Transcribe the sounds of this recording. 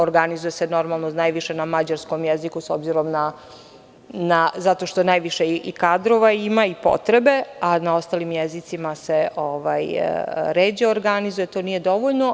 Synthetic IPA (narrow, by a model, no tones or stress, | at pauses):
oɾɡanizujeseno̞ɾmalˠnonaːjʋiʃenamad͡ʑaɾsko̞mjezikusobziɾo̞mna | nazat̪o̞ʃt̪o̞naːjʋiʃeikad̪ɾo̞ʋaimaipo̰t̪ɾebe̞anao̞st̪aːlimjezit̪simaseoʋaj̰ɾeːd͡ʑeoɾɡanizujet̪o̞ːnije̞d̪o̞ʋoʎno̞